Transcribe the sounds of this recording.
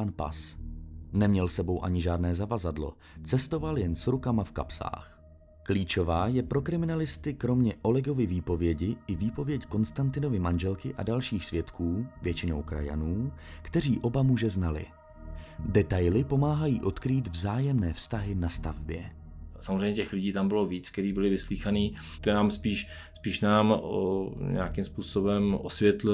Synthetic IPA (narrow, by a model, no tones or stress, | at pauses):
anpa̰s | nɛmɲɛlsɛbo̞wʔa̰ɲɪʒaːdnɛːzavazadlo̞̰ | t͡sɛst̪o̞valjɛnsɾukamafka̰psa̰ːx | kliːt͡ʃo̞vaːjɛpɾo̞kɾɪmɪnalɪst̪ɪkɾo̞mɲɛʔo̞lɛɡo̞vɪviːpo̞vjɛɟɪʔɪviːpo̞vjɛcko̞nst̪ant̪ɪno̞vɪmanʒɛlkɪʔa̰dalʃiːxsvjɛt̪kʰuːvjɛt͡ʃɪno̞̰wkɾa̰ja̰nuːkt̪ɛr̝iːʔo̞bamuʒɛznalɪ̰ | dɛt̪ajlɪpo̞maːɦajiːʔot̪kɾiːt̪vzaːjɛmnɛːfst̪aɦɪnast̪a̰vbjɛ | samozreɛjɲɛcɛxlɪɟiːt̪ambɪloviːt͡sk̚t̪ɛɾiːbɪlɪvɪsliːxaniː | t̪naːmspiːʃ | spiːʃnaːm | ɲɛ̰akimspuːsobɛmʔosvʲjɛt̪lɪ